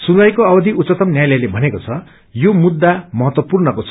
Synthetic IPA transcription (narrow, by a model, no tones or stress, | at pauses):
sundajkoʌbʌd̪ʱiut͡sːʌt̪ʌmnjajlʌjlebʱʌnekot͡sʰʌ | jomud̪ːamʌɦʌt̪wʌpurnʌkot͡sʰ